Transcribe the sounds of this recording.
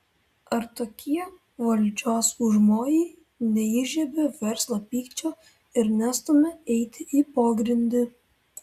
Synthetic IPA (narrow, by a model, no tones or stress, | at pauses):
ɐɾt̪oːkʲiɛ | ʋɐlʲd͡ʒʲoːsʊʒmoːjɛɪ | nʲɛɪːʒʲɛbʲeʋʲɛɾslˠɐpʲiːkt͡ʃʲoː | ɪɾnʲæst̪omʲɛɛɪt̪ʲɪʔiːpoːɡɾʲɪnʲd̪ʲɪ